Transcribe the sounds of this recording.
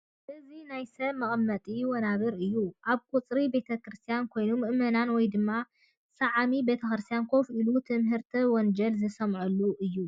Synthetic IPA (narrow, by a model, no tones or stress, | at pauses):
ʔɨzinajsɐβmɐχʼɨmːɐt̪ʼiwɔnaβɨɾɨjːuʔaβkʼut͡sʼɾibe̞t̪ʰɐkɾɨst̪ʰijankʰo̞jnumːɨʔmɐnanwɔjd̪ɨmːa | sɐʕamibe̞t̪ʰɐkɾɨst̪ʰijankʰo̞fʔilut̪ʰɨmɦɨɾt̪ʰiwɔnd͡ʒɐlzɨsɐmʕulːuʔɨjːu